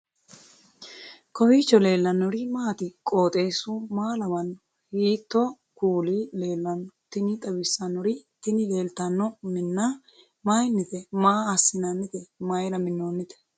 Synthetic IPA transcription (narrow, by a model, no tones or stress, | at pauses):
kɔwiːt͡ʃːɔle̞ːlːɐnːɔɾɪmaːt̪ɪkʼoːt̪ʼe̞ːsʊmaːlɐbɐnːɔ | hiːt̪ːɔ | kuːliːle̞ːlːɐnːɔt̪ɪnɪt̪ʼɐbɪsːɐnːɔɾɪt̪ɪnɪle̞ːlt̪ɐnːɔmɪnːa | majnːɪt̪ɛmaːɐsːɪnɐnːɪt̪ɛmɐjɾɐmɪnːoːnːɪt̪ɛ̥